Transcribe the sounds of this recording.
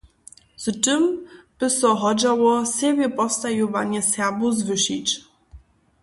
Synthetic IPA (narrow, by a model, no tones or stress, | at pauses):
z̥tɘmb̥ɘsɔɦɔd͡ʑawɔsʲjɛbʲjɛpɔfst̪ajuvaɲɛsjabuzvɘɕit͡ɕ